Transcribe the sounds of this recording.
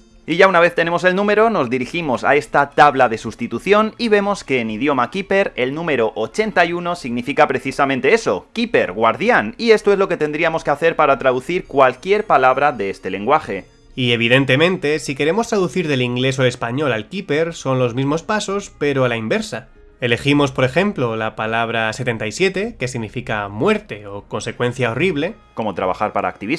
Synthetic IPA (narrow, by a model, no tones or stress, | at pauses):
iʝaunaβ̞e̞θt̪e̞ne̞mo̞se̞lnũme̞ɾo̞no̞zðiɾiximo̞sa̰e̞st̪at̪aβlaðe̞sust̪it̪uθjo̞niβe̞mo̞ske̞ːnið̞jo̞makipe̞ɾe̞lnũme̞ɾo̞ʔot͡ʃe̞nt̪ajuno̞siɣnifikapɾe̞θisamẽnt̪e̞e̞so̞̰kipe̞ɾɣwaɾðjanie̞st̪o̞e̞zlo̞ke̞t̪e̞nd̪ɾiamo̞ske̞aθe̞ɾpaɾat̪ɾaðuθiɾkwalkje̞ɾpalaβ̞ɾaðe̞est̪e̞le̞ŋɡwaxe̞ | ie̞β̞iðe̞nt̪e̞mẽ̞nt̪e̞sike̞ɾe̞mo̞st̪ɾaðuθiɾðe̞liŋɡle̞s̬ole̞spaɲo̞lalkipe̞ɾso̞nlo̞zmizmo̞spaso̞spe̞ɾo̞alaimbe̞ɾsa | e̞le̞ximo̞spo̞ɾe̞xẽ̞mplo̞lapalaβ̞ɾase̞t̪e̞nt̪aisje̞t̪e̞ke̞siɣnifikamwe̞ɾt̪e̞o̞ko̞nse̞kwe̞n̟θjao̞riβle̞ | ko̞mo̞t̪ɾa̰βa̰xaɾpaɾa̰ːk̚t̪iβiz